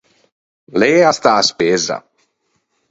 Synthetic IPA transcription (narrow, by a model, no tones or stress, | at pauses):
lejast̪aːspezɐ̰